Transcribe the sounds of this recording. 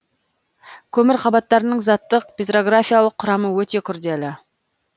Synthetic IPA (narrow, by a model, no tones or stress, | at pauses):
kʲʰɵmɪɾqʰɑbɑt̪ːɑɾənəɴzɑt̪ːəq̚pʲet̪ro̞ɡrafʲijalˠəqʰːʊɾɑməwɵt̪e̞kʲʰʏɾd̪e̞lɪ